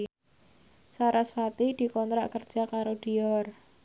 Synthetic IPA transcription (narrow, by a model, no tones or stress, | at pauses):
saɾaswat̪id̪̥i̤kɔnt̪ɾaʔkərd̥ʒ̥a̤kaɾod̪̥i̤ɔr